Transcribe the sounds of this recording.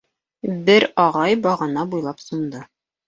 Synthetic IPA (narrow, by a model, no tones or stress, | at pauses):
bɘɾɒʁɑjbɒʁɤ̆nɑbujlˠɑpsŏnd̪ɤ